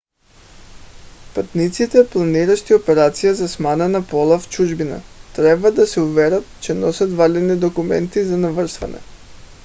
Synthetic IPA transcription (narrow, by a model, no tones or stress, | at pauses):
pat̪nit̪sit̪ɛplˠaniɾaʃt̪iopɛɾat̪sijazasmananapɔlˠaft͡ʃuʒbina̰t̪ɾɛbad̪asɛuvɛɾat̪̚t͡ʃɛnɔsat̪valʲɛd̪nid̪okumɛ̰nt̪izanavər̩sva̰nɛ̰